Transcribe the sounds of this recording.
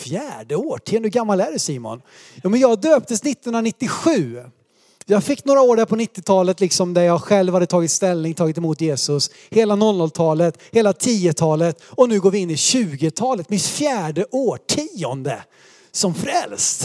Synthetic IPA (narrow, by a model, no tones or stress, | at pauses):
fjæːɖəoːʈʰiːɔnd̪əɡamːalæːɖɵsiːmɔ̰n | juːmɛnjɑːɡd̪øːp̚t̪əsnɪt̪ːnhɵnɾanɪt̪ːɪɧʉ̟ː | jɑːɡfɪkːnoːɾaoːɖæɾpʰɔnɪt̪ːɪt̪ʰɑːlət̪lɪksɔmd̪æɾjɑːɡɧɛlvhad̪ːət̪ʰɑːɡɪt̪st̪ɛlnɪŋt̪ʰɑːɡɪt̪ɛmuːt̪jeːsɵs | heːlanɔlnɔlt̪ʰɑːlət̪heːlat̪ʰiːət̪ʰɑːlət̪ɔnʉ̟ːɡoːɾvɪɪnːɪɕʉ̟ːɡɪt̪ʰɑːlət̪mɪt̪fjæːɖəʔoːʈʰiːɔnd̪ə | sɔmfɾɛlst̪